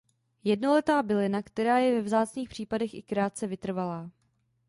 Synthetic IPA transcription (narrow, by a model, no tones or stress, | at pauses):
jɛdno̞lɛt̪aːbɪlɪnakt̪ɛɾaːjɛvɛvzaːt͡sniːxpr̝̥iːpadɛxʔɪ̰kɾaːt̪̚t͡sɛvɪt̪r̩valaː